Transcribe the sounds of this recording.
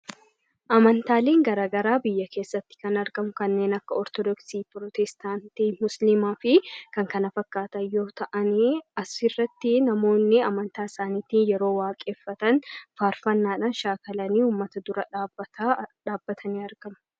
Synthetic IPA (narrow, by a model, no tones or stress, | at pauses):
ʔɐmɐnt̪aːleːŋɡɐɾaːɡɐɾaːbɪjːɐkʰe̞ːsːɐt̪ːɪ̥kɐnɐɾɡɐmʊkɐnːe̞ːnɐkːɐɔɾt̪ɔd̪ɔksiːpɾɔt̪ɛst̪aːnt̪iːmʊslɪmaːfɪkɐŋkɐnɐfɐkːaːt̪ɐnjo̞ːt̪ɐʔɐniɐsɪrːɐt̪ːɪnɐmo̞ːnːɪɐmɐnt̪aːɪsaːnɪːt̪iːnjɛɾo̞ːwaːkʼeːfːɐt̪ɐnfaːɾfɐnːaːᶑanʃaːkɐlɐniːuːmːɐt̪ɐd̪ʊɾɐᶑːbt̪aᶑaːbːɐt̪ʰɐniːɐɾɡɐmɐ̥